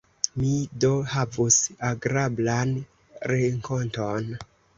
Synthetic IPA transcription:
midohavusaɡɾablan | ɾeŋko̞nton

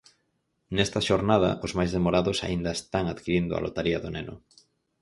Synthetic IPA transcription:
nɛst̪ɐʃoɾnaðɐ̰ʔozmajzðemoɾaðʊsa̰ind̪ɐest̪aŋaðkiɾind̪ʊa̰lo̰t̪aɾiɐðʊnenʊ̰

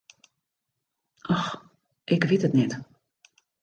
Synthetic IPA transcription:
ʔɔx | ʔɪkʋɪtətnɛt

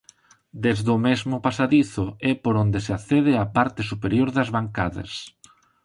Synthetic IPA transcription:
d̪ezðʊmezmʊpasaðiθʊɛpoɾond̪eseaθɛðɪapaɾt̪ɪsupeɾjoɾðɐzβaŋkaðɐ̰s

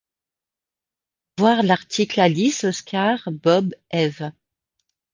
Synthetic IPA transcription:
vwaʁlaʁt̪ʰiklalisɔskʲaʁbɔbɛv

